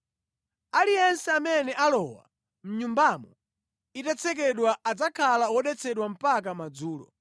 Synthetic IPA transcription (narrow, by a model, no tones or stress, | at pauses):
alijɛnsɛamɛnɛʔalɔwa̰ | m̩ɲumbamɔ | itat͡sʰɛk̬ɛɗwaʔad͡zakʰalawɔɗɛt͡sʰɛɗwam̩pak̬amad͡zuːlɔ̰